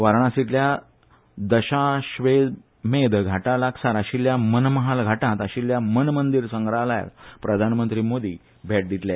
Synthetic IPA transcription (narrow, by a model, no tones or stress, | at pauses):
ʋaɾɳ̃ãsit̪lja | d̪əɕaɕʋed̪ | med̪ɡʱaʈalaksaɾaɕiːljamənməɦalɡʱaʈãt̪əɕiːljamənmənd̪iɾsəŋɡɾalaja̰kpɾəd̪ʱanmənt̪ɾiːmod̪ʱiː | bʱeʈ̚d̪it̪lja